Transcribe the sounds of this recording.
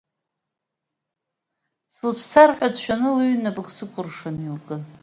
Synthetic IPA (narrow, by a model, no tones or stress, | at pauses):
sɨlt͡ʃʷʰt͡sʰarħʷᶣadʃᶣanɨlɥnabɨχsɨkʷʰʼʊrʂanilkʼɨ